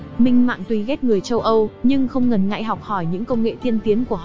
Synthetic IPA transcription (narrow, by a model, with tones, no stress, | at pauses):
mï˧ŋ̟ma̰ː˧˨nt̪wi˨˧˦ɣɛ˦˥t̚ŋɨ˨˩əjt͡ɕə˧wʔə˧wɲɨ˧ŋxə˧wŋ͡mŋə˨˩nŋa̰˧˨jɦɔ˨˩wk͡p̚hɔ˧˩jɲɨ̰˧˥ŋkə˧wŋ͡mŋḛ˧˨t̪ʰi˧ənt̪i˨˦ənku˧˩ə